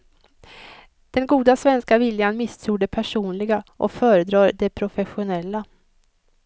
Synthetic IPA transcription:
d̪̥ɛnɡuːd̪asvɛnskavɪljanmɪst̪ʰɾuːɖɛpʰæʂuːnlɪɡaʔɔ̰kfœːɾəd̪ɾɑːɾd̪ɛpʰɾʊfɛɧʊnɛlːa

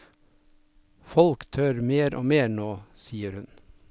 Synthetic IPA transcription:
fɔlkt̪ʰøːɾmeːɾʔo̰ːmeːnoːsiːəɾhʉn

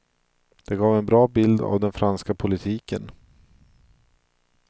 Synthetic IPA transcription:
d̪̥ɛɡɑːvɛnbɾɑːbɪld̪a̰vd̪ɛnfɾanskapʰʊlɪt̪ʰiːkə̰n

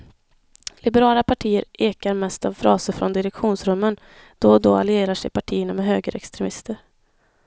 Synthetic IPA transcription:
lɪbɛɾɑːlapʰaʈʰiːəɾeːkaɾmɛst̪avfɾɑːsəɾfɾɔnd̪ɪɾɛkɧuːnsɾɵmːən | d̪̥ɔd̪ɔalɪeːɾaʂɛjpaʈʰiːəɳamɛɦøːɡəɾʔɛ̰kst̪ɾɛmɪst̪əɾ

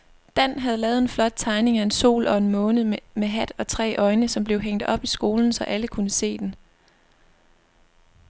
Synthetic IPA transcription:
d̥æn̰ɦæð̞̩ˠlɛːð̞̩ˠe̝nflɒ̽d̥̚t͡sʰɑ̈ɪne̝ŋæe̝nso̝̰ːlɒ̽e̝nmɔ̽ːnð̩meɦæd̥ɒ̽t͡sʰʁɛ̰ːʔɒ̽ɪnəsɒ̽mb̥le̝ʊɦeŋ̰d̥ɒ̽b̥isɡ̥o̝ːln̩sɒ̽ʔæləkʰunəse̝̰ːd̥en

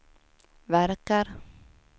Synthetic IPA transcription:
væɾkaɾ

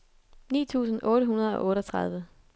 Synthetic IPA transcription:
nḭːt͡sʰṵːsn̩ʔɔ̽ːɾəɦunɐð̞̩ˠɒ̽ʔɔ̽ːɾɒt͡sʰʁɑ̈ð̞ˠʋə

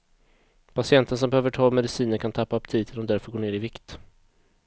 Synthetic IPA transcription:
pʰasɪɛnt̪əns̬ɔmbɛhøːvəʈʰɑːmɛd̪ɪsiːnəɾkʰant̪ʰapːapt̪ʰiːt̪ʰɪlɔmd̪æɾfœɡoːɳeːɾɪvɪkt̪

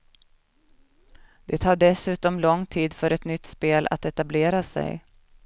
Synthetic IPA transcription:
d̪̥ɛt̪ʰɑːɖɛsʉ̟ːt̪ɔmlɔŋt̪ʰiːd̪fœɾɛt̪nʏt̪ːspeːlʔa̰t̪ɛt̪ableːɾasɛ̰j

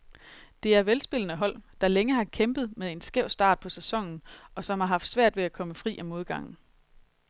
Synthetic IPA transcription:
d̥e̝æɐʋelsb̥e̝lnəɦɒ̽l̰d̥ɑ̈leŋəhɑ̈kʰemb̥ð̞̩ˠmeðˠe̝nsɡ̥eʊ̰sd̥ɑ̰̈ːd̥̚pʰɒ̽sæsɒ̽ŋ̰n̩ʔɒ̽sɒ̽mhɑ̈ɦɑ̈fd̥sʋæɐ̰d̥ʋe̝ækʰɒ̽məfʁḭːʔæmo̝ð̞ˠɡ̥ɑ̈ŋ̰n̩

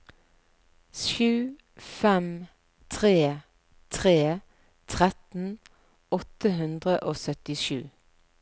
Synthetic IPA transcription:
ʃʉː | fɛm | t̪ʰʁeː | t̪ʰʁeː | t̪ʰʁɛt̪n̩ | ɔt̪əɦʉnd̪ʁəʔoːsœt̪ɪʃʉ̰ː

